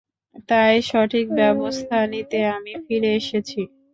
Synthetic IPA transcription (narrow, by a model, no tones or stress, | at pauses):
t̪ajʃɔʈʰik̚bɛbost̪ʰanit̪eamifiɾeeʃet͡ɕʰi